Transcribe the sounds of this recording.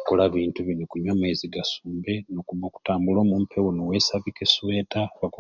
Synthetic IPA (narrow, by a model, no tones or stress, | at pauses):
kolaβiːntuβinokuɲameziɡasuːmbe̞nokuβoːku̥taːmbulo̞ːmumpʰe̞wonowesaβikesuwe̞taβaku